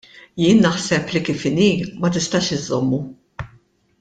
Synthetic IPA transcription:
jɪːnːɐħsɛplikiːfɪniːmɐt̪ɪst̪ɐːʃɪzːɔmːu

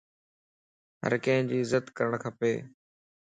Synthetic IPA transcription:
ɦə̰ɾkə̃ɦɪ̃d͡ʑiːɪzət̪kəɾəɳ̃kʰəpeː

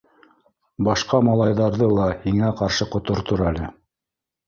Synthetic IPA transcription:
bɑʃqɑmɑlˠɑjðɑɾðɤlˠɑhiŋæqɑɾʃɤqŏt̪ŏɾt̪oɾælɘ

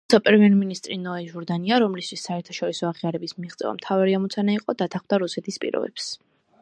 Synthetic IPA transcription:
ut̪sʰapʼɛɾɛmiɛɾminist̪ʼɾinɔɛʒɔɾd̪aniaɾɔmlist̪ʰwisːaɛɾt̪ʰḁʃɔɾisɔaʁiaɾɛbismiʁt̪sʼɛ̰va̰mt̪ʰavaɾiamɔt̪sʰanaiqʼɔd̪at̪ʰaχmd̪aɾusɛt̪ʰispʼḭɾɔ̰bɛ̰ps

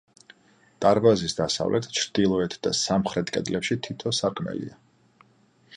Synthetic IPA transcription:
t̪ʼaɾbazisd̪asa̰vlʔɛt̪ʰt͡ʃʰɾd̪̥ilˠɔɛt̪ʰd̪̥asamχɾɛt̪kʼɛ̰d̪lɛpʃit̪ʰit̪ʰɔsaɾkʼʰmɛ̰lḭa

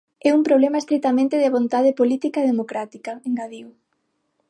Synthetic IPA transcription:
ɛumpɾoβlɛmaest̪ɾet̪amẽnt̪eðeβont̪að̞epolit̪ikaeðemokɾat̪ikɐeŋɡaðiw

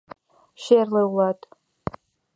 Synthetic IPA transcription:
ʃerlawlatʼ

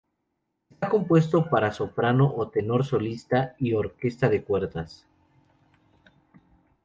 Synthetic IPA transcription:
est̪ako̞mpwe̞st̪o̞paɾaso̞pɾano̞ʔot̪e̞no̞ɾso̞list̪aio̞ɾke̞st̪aðe̞kwe̞ɾt̪as

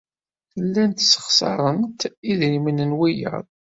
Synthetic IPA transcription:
lːænt̪sə̥χsɑ̰ɾˤənt̪iðɾimənənwijə̰ðˤ

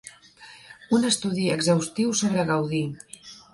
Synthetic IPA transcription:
unəst̪uðiəɡzawst̪iwsoβɾəɣawði

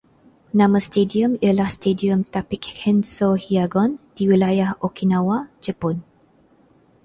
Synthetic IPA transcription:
nãmə̃st̪ediəmiəlahst̪ediəmt̪apikhɛnsohiaɡɔnd̥iwilajahokinãwad͡ʒəpɔn

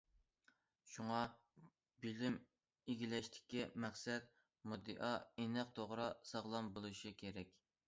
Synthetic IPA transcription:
ʃuŋɑ | bilɪm | eɡʲilɛʃt̪ʰɪ̥kʲːɛmæχsɛt̪̚ | mud̪ɨ̰ʔɑenæq̚t̪ʰoʁɾɑsɑʁlˠɑmbolˠuʃikʲʰeɾɛkʲ

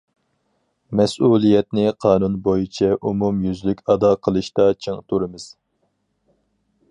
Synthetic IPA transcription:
mɛsulˠijɛt̪̚nɪqʰɑːnunbojit͡ʃʰɛʔumumjyzlykʲɑd̪ɑqʰəlˠɨʃt̪ɑt͡ʃʰeŋt̪ʰuɾɨmɨz̥

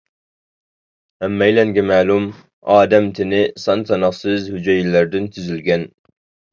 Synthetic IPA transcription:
æmːæjlæŋɡʲɛmæːlˠʊm | ɑːd̪amt̪ʰɪnɪsɑnt̪ʰɑnɑsɨzhʊd͡ʒɛjlːæɾd̪ɪnt̪ʰyzɪlɡʲæn

